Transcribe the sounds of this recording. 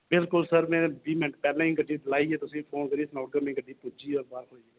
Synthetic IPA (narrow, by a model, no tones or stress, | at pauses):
bɪlkʊlsəɾmɛ̃ːbiːmɛ̃ɳʈpɛːlãːĩːkəɖiːlaːiɛːt̪ʊsĩpʰoːnkəɾiːsnɔːʈ̚ɡəmẽkəɖʱiːpʊd͡ʒiːɔːɾbaːɾɦoːiɛ